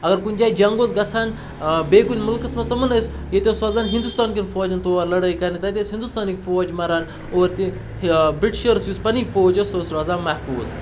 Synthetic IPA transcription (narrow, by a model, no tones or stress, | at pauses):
ɐɡɐɾkunʲd͡ʒaːjd͡ʒɐŋɡoːt͡sɡɐt͡sʰan | beɡunʲmulkɐsmɐst̪ɐmɐnəs | jet̪ʲesɐzaːnɦind̪ust̪aːnkinfoːd͡ʒɐnt̪oːʋaɾlɐɽəjkɐnit̪ɐt̪esɦind̪ust̪aːnikfoːd͡ʒmɐɾan | oɾt̪i | bɾiʈʃəɾsjuːspɐnifoːd͡ʒososɾazaːnmːɐhfuːz